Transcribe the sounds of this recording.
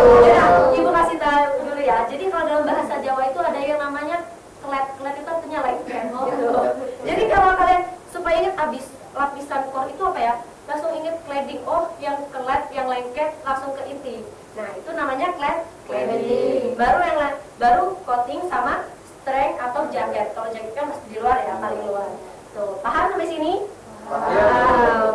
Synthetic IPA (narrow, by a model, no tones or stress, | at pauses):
aimumasit̪aɡulujad͡ʒadikaladalambaɦasad͡ʒawait̪uadajaŋnamaɲa | kəlɛt̪̚kəlɛt̪̚it̪uat̪uɲalaɪnkɛt̪ɔɡit̪ud͡ʒadikalakaliansupajaiŋət̪abis | lapisankɔrit̪uapaja | laŋsʊŋiŋət̪̚klɛdɪŋɔhjaŋkəlɛt̪̚jaŋlainkɛt̪̚laŋsʊŋkəʔit̪i | nahit̪unamaɲaklɛt̪̚klediŋbaɾujaŋlat̪baɾukot̪ɪŋsamast̪ɾɛŋat̪awd͡ʒaɡat̪̚kalod͡ʒaɡat̪̚kanməst̪ɪdiluarjapalɪŋluar | t̪upaɦarsamasini | a